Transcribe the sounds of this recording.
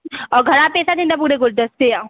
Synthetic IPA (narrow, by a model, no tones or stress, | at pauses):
ɔːɾɡʱɐɾapeːsad̪ɪ̃nd̪ap̬uːɾeɡʊld̪əst̪eja